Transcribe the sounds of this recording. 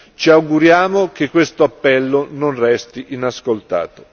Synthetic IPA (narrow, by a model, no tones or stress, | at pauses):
t͡ʃiawɡuɾjaːmok̟ekːwest̪oapːɛlːononrɛst̪iʔinaskolt̪a̰ːt̪o̥